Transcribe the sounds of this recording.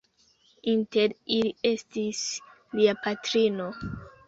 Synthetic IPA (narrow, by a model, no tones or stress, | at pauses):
inteɾilie̞stis | liapatɾino̞